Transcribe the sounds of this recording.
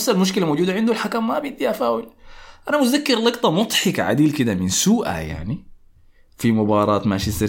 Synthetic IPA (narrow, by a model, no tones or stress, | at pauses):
sːalmʊʃ̬kɪlamowd͡ʒuːd̪aʕɪnd̪ualħakamːabiʔd̪iʔafaːwɪlʔanamʊzakːɪɾlɑɡt̪ˤɑmʊt̪ˤħɪka̰ʕa̰d̪iːlkɪd̪amɪnsuːʔa̰ja̰ʕni | fimʊbɑːɾˤɑːt̪maʃɪsɪ